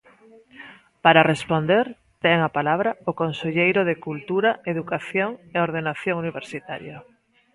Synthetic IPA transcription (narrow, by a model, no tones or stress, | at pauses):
paɾarespond̪eɾ | t̪ɛŋapalaβɾaokonseʎejɾoðekult̪uɾaeðukaθjoŋeoɾðenaθjoŋuniβeɾsit̪aɾja